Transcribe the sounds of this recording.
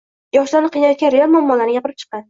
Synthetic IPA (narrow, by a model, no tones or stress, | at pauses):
jɒʃlaɾnɪqʰijnajɒt̪̚kʲanɾejalmɒmːɒlanɪɡʲapʰɪɾɪp̚t͡ʃʰɨ̥qːɑn